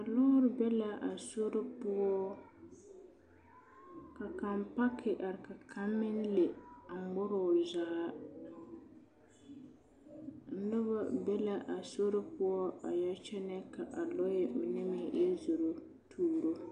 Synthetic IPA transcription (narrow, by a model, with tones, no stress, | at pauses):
a˨lɔ˦ɾɪ˨˦bɛ˦la˦ʔa˨so˦ɾɪ˦pʊ˦ɔ˦ | ka˨ka˨mpa˦kʰɪ˨ʔa˨ɾɪ˨ka˨kʰa˦mːɪ˦n˦le˨a˨mɔ˦ɾɔ˨zaː˨˦ | n̩˦nɨ˦βa˦bɛ˦la˦ʔa˨so˦ɾɪ˦pʊ˦ɔ˦a̰˨ja˦t͡ʃɛ˦nɛ˦ka˨ʔa˨lɔ˦jɛ˨mɪ˨nɛ˦mi˨˦˨jɛ˦zʊ˨ɾo˦ | tʰuː˦ɾo˦